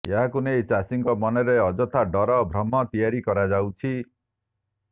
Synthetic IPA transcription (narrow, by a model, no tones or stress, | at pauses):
eɦakunejt͡ʃasiŋkɔmɔneɾeɔd͡ʒɔt̪ʰaɖɔɾɔbʱɾɔmːɔt̪ijaɾikɔɾad͡ʒawt͡ʃʰi